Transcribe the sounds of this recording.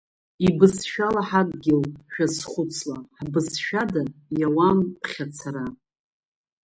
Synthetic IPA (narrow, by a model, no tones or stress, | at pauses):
ibɨsʃᶣalaħakʼɡʲɪlʃᶣasχʷʊt͡sʰlaħbɨsʃᶣadajawampʰχʲat͡sʰaɾa